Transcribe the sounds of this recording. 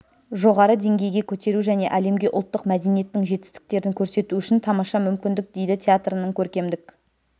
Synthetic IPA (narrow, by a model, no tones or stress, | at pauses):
ʒo̞ʁɑɾəd̪e̞ŋɡʲe̞jɡʲe̞kʲʰɵt̪e̞ɾuʒæne̞̰ʔæle̞mɡʲe̞ʔʊlˠt̪ːəqmæd̪e̞nije̞t̪ːɪŋʒe̞t̪ɪ̥st̪ɪ̥k̚t̪e̞ɾɪŋkʲʰɵɾse̞t̪uʏʃɪnt̪ʰɑmɑʃɑmʏmkʲɪnd̪ɪk̚d̪e̞jd̪ɪt̪ʲʰeat̪rənəŋkʲʰɵɾkʲe̞md̪ɪk